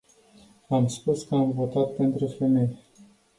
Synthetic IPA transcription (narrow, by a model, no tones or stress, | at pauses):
amspuskəamvo̞t̪at̪̚pe̞nt̪ɾufeme̞je